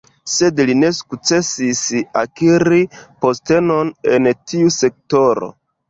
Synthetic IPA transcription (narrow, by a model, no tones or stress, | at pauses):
se̞dline̞su̥kt͡se̞sisakiɾipo̞ste̞no̞ne̞ntiuse̞k̚to̞ɾo̞̰